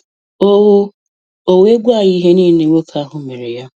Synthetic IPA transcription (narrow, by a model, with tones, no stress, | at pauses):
o˦ʊ˦ | o˨we˦ɡʷa˦˨i˦ɦe˦ni˦ne˦wo˦kʰa˦ɦʊ˨˦me˨ɾe˨ja˦